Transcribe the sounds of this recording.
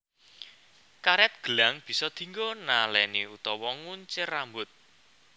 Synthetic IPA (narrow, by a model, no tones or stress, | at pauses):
kaɾɛt̪̚ɡ̥ə̤laŋb̥i̤sɔd̪̥i̤ŋɡɔnalɛneut̪ɔwɔŋuɲt͡ʃɪrambʊt̪̚